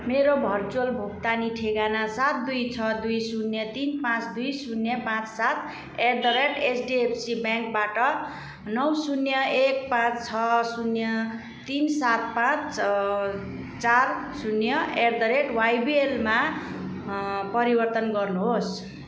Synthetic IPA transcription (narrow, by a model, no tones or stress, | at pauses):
meɾobʱʌrt͡solbʱuk̚t̪aniʈʰeɡanasat̪̚d̪ujt͡sʰʌd̪ujsunjʌt̪inpãt͡sd̪ujsunjʌpãt͡ssat̪ | erd̪ʌɾeʈesɖiepʰsibjãŋk̚baʈʌ | nʌwsunjʌek̚pãt͡st͡sʰʌsunjʌ | t̪insat̪̚pãt͡s | t͡sarsunjʌerd̪ʌɾeʈwajbielma | pʌɾibʌrt̪ʌnɡʌrnuɦos